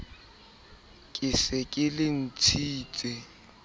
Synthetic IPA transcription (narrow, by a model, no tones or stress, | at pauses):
kʼɪsɪkʼɪlɪn̩t͡sʰiːt͡sʼɛ